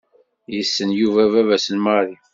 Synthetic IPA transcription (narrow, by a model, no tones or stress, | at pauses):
jəsːənjuvævævæsənmɑɾˤi